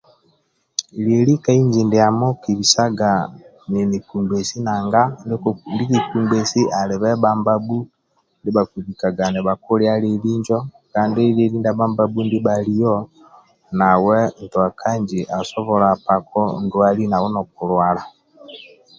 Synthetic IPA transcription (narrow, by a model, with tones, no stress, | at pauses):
ile˨ɾi˦ka˦i˦ɲd͡ʒi˨nde˨a˨mɔ˦ki˨βi˨sa˦ɡa˨ | ni˨ni˨ku˨mbe˨si˦na˨ŋɡa˦ndndi˦ki˨ku˨mbɛ˨si˦ʔa˨lɪ˨βɛ˦ba˦mba˦bu˦ | ndi˦βa˨ku˨βi˨ka˨ɡa˨nɛ˨βa˨ku˦ɾja˦ɾe˨li˦ɲd͡ʒɔ˦ | kaː˦nde˦le˦ɾi˦nda˦βa˦mba˦bu˦ndi˦βali˦jɔ˦ | na˨wɛ˦n˨tu˨a˨kʰa˦ɲd͡ʒi˨ʔa˨sɔ˦βɔ˨ɾa˨pa˨kɔ˦ndu˦a˦li˦na˨wɔ˦nɔ˨k̚u˨ɾwa˨la˨